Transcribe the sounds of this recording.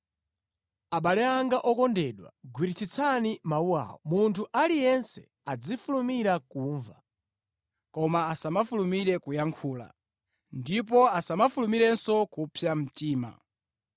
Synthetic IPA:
aɓalɛaŋɡaʔɔkɔndɛɗwa̰ɡwiɾit͡sʰit͡sʰanimauwa̰ːwɔ̰muntʰuʔalijɛnsɛ̰ | ad͡zifulumiɾakuɱva | kɔmaːsamafulumiɾɛkujaŋkʰuːla̰ | ndip̬ɔasamafulumiɾɛnsɔkupʰjam̩tiːma̰

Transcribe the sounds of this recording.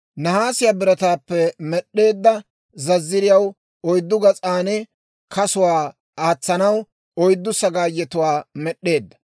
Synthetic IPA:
nɐhaːsɪjaːbɪɾɐt̪aːpːɛmɛɗːe̞ːd̪ːɐ | zɐzːɪɾɪjɐw | ɔjd̪ːʊɡɐt͡sʼaːnɛ | kɐsʊwaː | aːt͡sːɐnɐw | ɔjd̪ːʊsɐɡaːjːɛt̪ʊwaːmɛɗːe̞ːd̪ːɐ̥

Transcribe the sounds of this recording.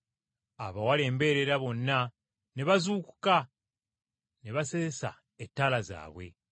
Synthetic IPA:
aβawale̞ːmbe̞ɾeɾaβo̞nːa | neβazuːku̥ka | neβasezesa̰ | etːaːlaza̰ːβwe̞̰

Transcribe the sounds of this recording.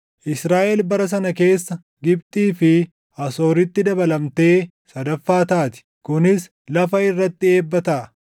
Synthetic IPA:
ʔɪsɾaːʔɛlbɐɾɐs̬ɐnɐke̞ːsːɐ | ɡɪb̚t̪ʼiːfɪ | ʔɐso̞ːɾɪt̪ːɪd̪ɐbɐlɐmt̪e̞ː | sɐd̪ɐfːaːt̪aːt̪ɪ̥ | kʊnɪs | lɐfɐɪrːɐt̪ːɪe̞ːbːɐt̪ɐʔɐ

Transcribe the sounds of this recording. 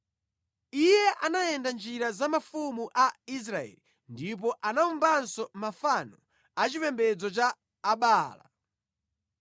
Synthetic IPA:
ijɛʔanajɛndand͡ʒiɾazamafumuʔais̬ɾaɛ̰li | ndip̬ɔʔanaumbansɔmafanɔ | at͡ʃipɛmbɛd͡zɔt͡ʃaː | ɓaːla̰

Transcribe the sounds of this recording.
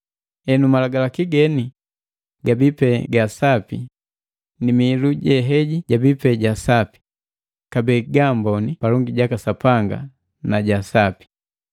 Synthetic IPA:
ɛnumalaɡalakiɡɛni | ɡabipɛɡasapi | nimiːluɟɛɦɛɟiɟabipɛɟasapi̥ | kabɛːɡambɔnipalɔŋɡiɟakasapaŋɡa̰ | naɟasapi̥

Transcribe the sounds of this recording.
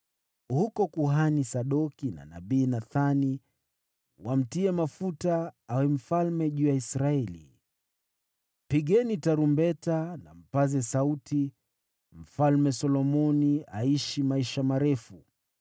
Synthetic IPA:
hukɔkuɦanisaɗɔkina̰na̰ɓiːnaθani | wam̩tiɛmafutaawɛm̩falmɛʄuːjaisɾaɛlḭ | piɠɛnitaɾumbɛtana̰m̩pazɛsauti | m̩falmɛsɔlɔmɔniaiʃimaiʃamaɾɛfu

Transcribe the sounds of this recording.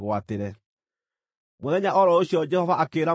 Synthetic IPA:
ɣwateɾɛ | moðɛɲaʔɔɾɔoɕjɔd͡ʒɛhɔvaʔakeːɾa

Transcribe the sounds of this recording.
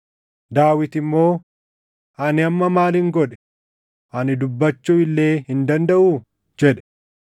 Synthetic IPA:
d̪aːwɪt̪ɪmːo̞ː | ʔɐnɪɐmːɐmaːlɪŋɡɔᶑɛ̥ | ʔɐnɪd̪ʊbːɐt͡ʃːuɪlːe̞ːhɪnd̪ɐnd̪ɐʔu | d͡ʒɛᶑɛ

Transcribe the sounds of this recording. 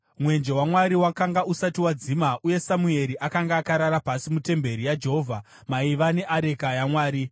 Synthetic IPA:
mwe̞nd͡ʒe̞wamwaɾiwakaŋɡausatiwad͡zimaʔuje̞samue̞ɾiʔakaŋɡaːkaɾaɾapasimute̞mbe̞ɾijad͡ʒeɦovʱa | maiʋane̞ʔaɾe̞kajamwaːɾi

